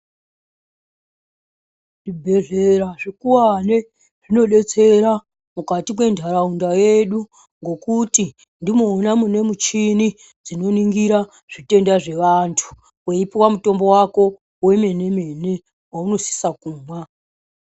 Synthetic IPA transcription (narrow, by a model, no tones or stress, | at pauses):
ʐibʱe̞ʐe̞ɾaʐikuwane̞ | ʐ̥ino̞ɗe̞t͡se̞ɾa | mukatimwe̞ndʱaɾaundaje̞ɗu | ŋɡo̞kuti | ndimoːnamune̞mut͡ʃini | d͡zino̞niŋɡiɾa | ʐ̥ite̞ndaʐe̞ʋantʰu̥ | weipiwamuto̞mbo̞wako̞ | we̞me̞ne̞me̞ne̞ | wauno̞si̥sakuːmwa